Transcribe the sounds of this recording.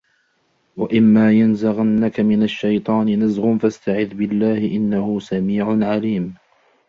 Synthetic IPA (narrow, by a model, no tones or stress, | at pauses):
waʔɪmːaːjanzaɣanːakamɪnaʃːajt̪ˤɑːnɪnazɣʊnfast̪aʕɪðbɪlːaːhɪʔɪnːahʊsamiːʕʊnʕaliːm